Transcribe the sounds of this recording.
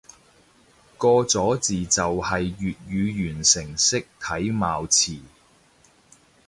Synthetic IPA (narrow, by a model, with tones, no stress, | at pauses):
kɔː˧t͡sɔː˨˥t͡siː˨t͡sɐ˨whɐ˨jːyː˨t̚jyː˨˧jyː˨˩nsɪ˨˩ŋsɪ˥k̚t̪ʰɐ˨˥jmaː˨wt͡sʰiː˨˩